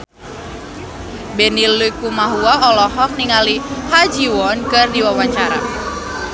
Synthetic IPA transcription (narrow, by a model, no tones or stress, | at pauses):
bɛnilːujkumaɦuaɔlɔɦɔk̚niŋalihad͡ʒiwɔnkɨrdiwawaɲt͡ʃaɾa̰